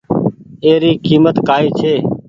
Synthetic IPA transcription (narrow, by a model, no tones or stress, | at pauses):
eːɾiːkiːmət̪kaːiːt͡ʃʰeː